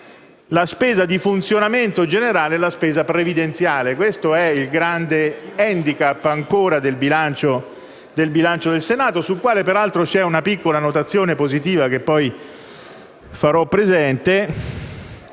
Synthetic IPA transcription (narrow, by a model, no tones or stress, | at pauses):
laspeːzad̪ifunt̪sjonament̪od͡ʒeneɾaːleɛlaspeːzapɾevid̪ent̪sjaːlekwest̪oɛilɡɾand̪eɛnd̪ikapːaŋkoːɾad̪elbilant͡ʃo | d̪elbilant͡ʃod̪elsenaːt̪osulkwaːlepeɾalt̪ɾot͡ʃɛunapikːolanot̪at̪sːjoːnepozit̪̬iːvakepːɔj | faɾɔpːɾezɛnt̪e